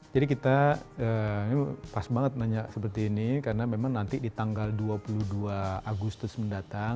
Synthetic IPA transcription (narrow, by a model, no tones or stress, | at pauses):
d͡ʒadikit̪aənipasbaŋət̪̚naɲaʔsəp̬ərt̪iːnikaɾənamemaŋnant̪ɪdit̪aŋɡalduapuluhduaaɡust̪ʊsməndat̪aŋ